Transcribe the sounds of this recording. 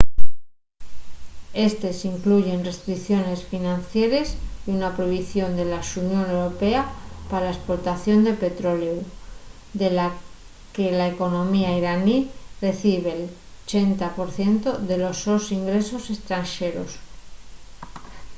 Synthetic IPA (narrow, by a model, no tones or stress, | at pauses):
e̞st̪e̞siŋkluʝe̞nre̞st̪ɾikθjo̞ne̞sfinãnθje̞ɾe̞siunapɾojβiθjo̞nd̪e̞lasunjo̞ne̞wɾo̞pe̞apaɾalaespo̞ɾt̪aθjo̞nd̪e̞pe̞t̪ɾo̞leu | d̪e̞la | ke̞laeko̞nõ̞miaiɾanire̞θiβ̞e̞ːl | ot͡ʃe̞nt̪apo̞ɾθje̞nt̪o̞ðe̞lo̞so̞siŋɡɾe̞so̞se̞st̪ɾanʃe̞ɾo̞̰s